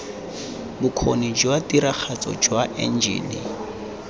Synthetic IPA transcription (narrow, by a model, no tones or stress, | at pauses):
bʊkʰonid͡ʒwatiɾak͡xʰat͡sʼɔ̰d͡ʒwaʔɛ̰n̩d͡ʒḭːlḭ